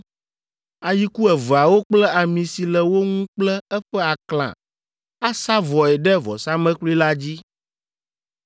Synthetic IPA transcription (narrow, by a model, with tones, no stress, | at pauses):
a˨ji˦ku˦ɛ˨vɛ˨a˨wo˦k͡plɛ˦a˨mĩ˨si˨lɛ˨wo˦ŋũ˦k͡plɛ˦ɛ˦ɸɛ˦a˨klã̰˨ | a˦sa˦vɔ˨ɛ˨ɖɛ˦vɔ̰˨sa˦mɛ̃˦kli˦la˦d͡ʑi˦